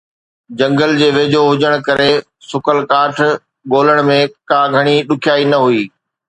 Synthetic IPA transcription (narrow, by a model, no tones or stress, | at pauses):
d͡ʑɐ̃ŋɡəld͡ʑeːʋeːd͡ʑoɦʊd͡ʑəɽ̃kɐɾe | sʊkʰəlkaːʈʰ | ɠoːləɽ̃mẽkaːɡʱɐɽ̃iɗʊkʰijaːinɐɦuiː